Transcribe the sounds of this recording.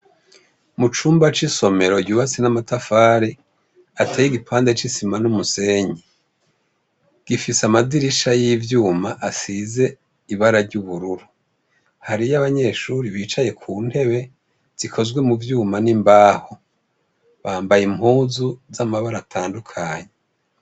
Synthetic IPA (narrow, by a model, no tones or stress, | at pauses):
mut͡ʃuːmbat͡ʃiso̞me̞ɾo̞ɟuːβat͡sinamatafaːɾe | ateːjiɡipʰaːnde̞t͡ʃisimanumuse̞ːɲi | ɡ̥ifisamadiɾiʃajivjuːmaʔasize̞ | iβaɾaɾɟuβuɾuɾu | haɾijaβaɲe̞ʃuːɾiβiːt͡ʃaje̞kʰuːn̥he̞βe̞ | z̥ikʰo̞zɡwe̞muvjuːmanimbaːho | βaːmbajimhuːzuzamaβaɾatʰaːndukʰaɲe